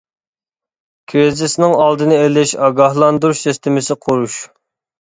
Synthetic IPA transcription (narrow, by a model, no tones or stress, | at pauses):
kʲʰɾɪzɪsnɪŋɑlˠd̪ɨnɨelɪʃɑɡɑhlˠɑnd̪uɾʃsɛst̪ɪmɪsɪqʰoɾuʃ